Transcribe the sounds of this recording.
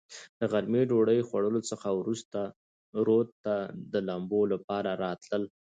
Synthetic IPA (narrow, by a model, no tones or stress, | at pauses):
d̪̥əɣaɾmeɖoɽəjxwaɽəlot͡səxawɾust̪a | ɾod̪t̪ːad̪əlambolapɑɾaɾɑt̪ləl